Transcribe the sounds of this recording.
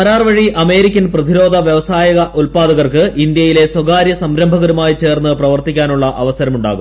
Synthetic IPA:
ɐɾaːrʋɐɻiʔɐme̞ːɾikʲːɐnprɐd̪iɾo̞ːd̪ʱɐʋjɐʋɐsaːjɐɣɐʔulpaːd̪ɐɣɐrkɨʔind̪jɐjile̞swɐɡaːɾjɐsɐmɾɐmbʱɐɣɐɾumaːjit͡ɕe̞ːrnːɨprɐʋɐrt̪ikʲːaːnuɭːɐʔɐʋɐsɐɾɐmuɳɖa̰ːɣum

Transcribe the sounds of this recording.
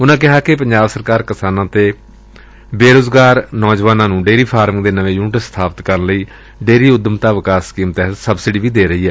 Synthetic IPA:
ʊnãːkɪɦaːkɪpəɲd͡ʒaːbsəɾkaːɾkɪsaːnãːt̪eː | beːɾoːzɡaːɾnɔːd͡ʒʋaːnãːnũːɖeːɾiːpʰaːɾmɪ̃ŋd̪eːnəʋẽːjuːnɪʈəst̪ʰaːpət̪kəɾənləiː | ɖeːɾiːʊd̪əmt̪aːʋɪkaːskiːmt̪ɛɦət̪səbsɪɖiːʋiːd̪eːɾəiːɛː

